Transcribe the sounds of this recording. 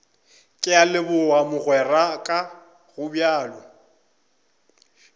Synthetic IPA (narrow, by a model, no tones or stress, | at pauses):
kʼɪalɪbʊwamʊɣwɛrakʼa | ɣʊbjaːlɔ